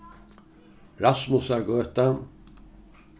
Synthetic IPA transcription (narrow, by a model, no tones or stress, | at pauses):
ɾasmʊsæɾɡøːt̪a